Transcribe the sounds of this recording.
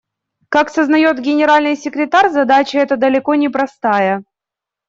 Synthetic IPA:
kaksəznɐjo̞t̪ɡʲɪnʲɪɾalʲnɨjsʲɪkɾʲɪt̪arʲzɐd̪at͡ɕɪɛt̪əd̪əlʲɪko̞nʲɪpɾɐst̪ajə

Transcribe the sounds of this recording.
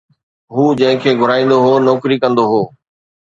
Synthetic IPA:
ɦuːd͡ʑɐ̃ɦɪ̃kʰeːɡʱʊɾaːĩːnd̪oɦoːnɔːkɾikɐ̃nd̪oɦoː

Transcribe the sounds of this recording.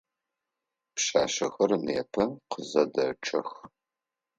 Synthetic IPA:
pɕaːɕɐxɐrneːpʰɐqəzɐdɐʈ͡ʂʰɐx

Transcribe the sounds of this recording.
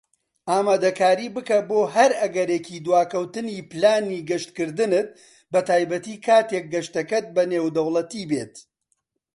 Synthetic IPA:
ʔaːmaːd̪ɐkaːɾiːbɨkɐboːɦɐɾɐɡɐɾeːcʰid̪waːkɐwt̪ɨniːpɨlaːniːɡɐʃt̪kɨɾd̪ɨnɨt̪̚ | bɐt̪aːjbɐt̪iːkʰaːt̪ek̚ɡɐʃt̪ɐkɐt̪̚bɐneːwd̪ɐwlˠɐt̪ibeːt̪

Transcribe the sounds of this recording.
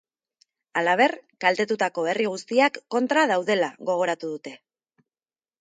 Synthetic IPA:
alaβ̞e̞rkalt̪e̞t̪ut̪ako̞e̞riɣ̞ust̪iakːo̞nt̪ɾað̞awðe̞laɣo̞ɣ̞o̞ɾat̪uðut̪e̞

